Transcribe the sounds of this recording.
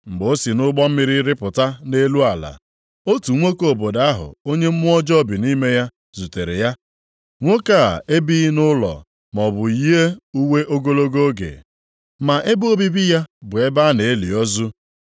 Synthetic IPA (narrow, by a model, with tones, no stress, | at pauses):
ŋ͡m̩˨ɡ͡bo˦si˨nʊ˦ɡ͡bɔ˦m̩˦mɪ˦ɾɪ˦ɾɪ˦pʊ˨ta˦ne˦lu˦a˨la̰˨ | o˦tu˨ŋʷo˦ko˨bo˨daa˦ɦʊ̰˨o˦ɲe˦m̩˦mʊ˦ɔ˦d͡ʒɔ˦bi˨ni˦me˦ja˦ | zu˨te˨ɾe˨ja˦ | ŋʷo˦ka˦˨e˦bi˦nʊ˦lɔ̰˨ | mɔ˨bʊ˨i˦e˦u˦we˦ʔo˦ɡo˦lo˦ɡo˦ɡḛ˨ | ma˨ʔe˦bo˦bi˦bi˦ja˦bʊ˨e˦ba˦ne˨e˦li˨ɔ˦zu˦